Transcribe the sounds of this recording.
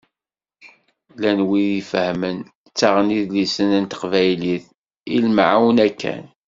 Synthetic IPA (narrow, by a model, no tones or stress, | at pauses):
lænwiðifəhmən | t͡sːaʁəniðlisənənt̪ə̥qvæjliθ | ilmʕawnækʰːæ̰n